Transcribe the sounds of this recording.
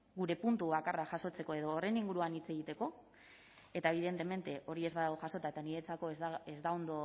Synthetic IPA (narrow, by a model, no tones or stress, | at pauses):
ɡuɾe̞punt̪uβakaraʝaso̞t͡se̞koe̞ð̞o̞ːre̞niŋɡuɾuanit͡se̞ɣ̞it̪e̞ko̞ | e̞t̪aeβ̞iðe̞nt̪e̞me̞nt̪e̞ʔo̞ɾie̞zβaðawʝaso̞t̪aet̪aniɾe̞t͡sako̞ezd̪ao̞nd̪o̞